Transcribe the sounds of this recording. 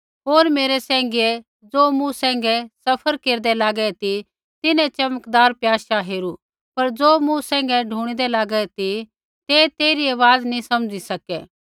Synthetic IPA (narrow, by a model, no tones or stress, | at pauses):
ɦoːɾmeːɾɛsɛ̃ːŋɡeɛ | d͡zoːmũsɛ̃ːŋ̆ɡɛsɐpʰəɾkeːɾd̪ɛlaːɡɛt̪i | t̪ɪnɛ̃t͡ʃɐməkd̪aːɾpjaːʃaɦeːɾu | pɐɾd͡zoːmũsɛ̃ːŋ̆ɡɛɖʱuːɽ̃id̪ɛlaːɡɛt̪i | t̪et̪eːɾiɐʋaːd̪nĩsɐmd͡ʒisɐkɛː